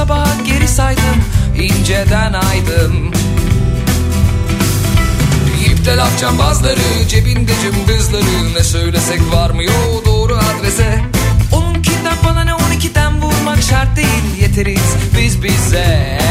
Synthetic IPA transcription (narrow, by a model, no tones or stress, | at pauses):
abaɦɟe̞ɾisajd̪ɯmind͡ʒɛd̪ænajd̪ɯn | jipt̪ʰɛlaft͡ʃʰambazlˠaɾɯd͡ʒebind̪ed͡ʒymd̪ɯzlˠaɾɯnɛsø̞jlʲesɛcvaɾmɯjod̪oːɾuad̪ɾesɛonuncʰind̪ak̚bananɛonicʰid̪ænbuɾmakʃaɾt̪̚d̪ejilʲje̞t̪ʰe̞ɾiz̥bizbizɛ